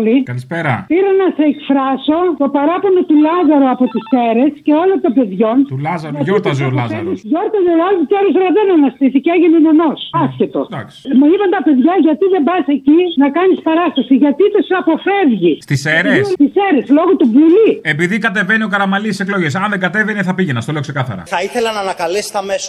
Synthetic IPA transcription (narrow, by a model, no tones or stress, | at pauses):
likɐlispeɾɐ̰piɾɐnɐseːkfɾɐso̞t̪o̞pɐɾɐponot̪ulɐzɐɾoɐpot̪iseɾe̞sce̞o̞lot̪obe̞ðʝo̞nt̪ulɐzɐɾoɐʝoɾt̪ɐzolɐzɐenisʝo̞ɾt̪ɐzolɐlvut̪eɾosoɾɐðenɐnɐst̪iθiceɐʝinineno̞sɐsçet̪o̞̰d̪ɐ̰ksmeipɐnt̪ɐpe̞ðʝɐʝɐt̪iðembɐse̞cinɐkɐnispɐɾɐst̪ɐsiʝɐt̪it̪osɐpo̞fɾe̞vʝist̪iseɾest̪ise̞ɾeslo̞ɣot̪ubuliepiðikɐt̪e̞venio̞kɐɾɐmɐlisiseklo̞ʝesɐnðeŋɡɐt̪e̞veniθɐpiʝenɐst̪ole̞oksekɐθɐ̰ɾɐ̰θɐiθelɐnɐːnɐkɐlest̪ɐmeso